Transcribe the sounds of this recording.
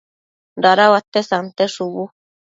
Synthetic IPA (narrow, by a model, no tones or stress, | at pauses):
ɾaɾawat̪esant̪eʂuβu